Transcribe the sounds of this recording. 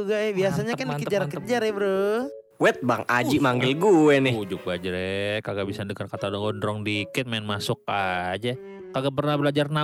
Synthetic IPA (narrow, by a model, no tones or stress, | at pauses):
uɡaɛbiasaɲakandiakəəd͡ʒaɾnkəd͡ʒaɾɛbɾu | wɛt̪̚baŋad͡ʒimaŋɡɪlɡuɛnɪud͡ʒʊk̚bad͡ʒəɾɛkaɡaʔbisadəŋarkat̪adɔɡɔndɾɔŋdikɪt̪̚maɪnmasʊkad͡ʒa | kaɡaʔp̬ərnahbəlad͡ʒarna